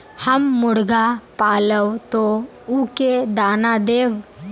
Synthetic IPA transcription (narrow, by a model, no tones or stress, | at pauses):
həmːʊɽɡapaːləwt̪o | uːked̪aːnad̪eːʋ